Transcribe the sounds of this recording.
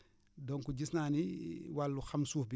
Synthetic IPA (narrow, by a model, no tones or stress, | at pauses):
dɔŋkuɟisnaːniwalːuxɐmsuːfbi